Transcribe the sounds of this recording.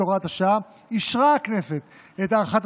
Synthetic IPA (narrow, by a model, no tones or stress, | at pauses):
oʁat̪aʃa | iʃʁakneset̪ | et̪aʁχat̪